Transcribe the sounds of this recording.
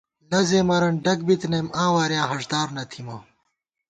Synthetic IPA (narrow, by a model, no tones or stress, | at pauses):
lɐzeːmɐɾɐnɖɐk̚bit̪nɐmãːwaːɾjãːɦɐʂd̪aːɾnɐt̪ʰimɐː